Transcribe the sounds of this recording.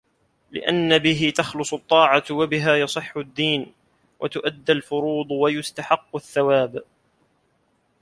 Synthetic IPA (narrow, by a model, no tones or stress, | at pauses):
lɪ̰ʔanːabɪɦɪt̪ɑxlʊsˤʊt̪ˤːɑːʕɑwabɪɦaːjɑsˤɨħːʊd̪ːiːn | wʔa̰t̪ʊʔad̪ːalfʊɾuːd̪ˤwajʊst̪aħɑqːʊθːawaːb